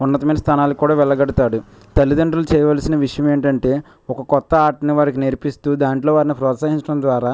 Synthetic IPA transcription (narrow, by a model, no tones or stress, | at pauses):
unːɐt̪ɐmɐjnɐst̪ʰaːnaːlukːuːɽaːʋɛɭːɐɡɐɽut̪aːɽu | t̪ɐlːid̪ɐɳɖɾulut͡ʃɛːjɐʋaːlɐsinɐʋiʂɐjɐme̞ːɳʈɐɳʈe̞ː | ɔkɐkɔt̪ːɐaːɾʈɐniʋaːɾikineɾpist̪uːd̪aːɳʈlo̞ːʋaːɾinipɾɔːt̪saːɦiɲt͡ʃɐɽɐmd̪ʋaːɾaː